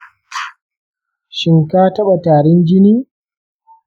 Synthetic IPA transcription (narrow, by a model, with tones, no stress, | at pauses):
ʃɪ˨ŋkaː˦tɐ˦ɓa˨taː˨ɾɪ˦nd͡ʒɪ˦niː˦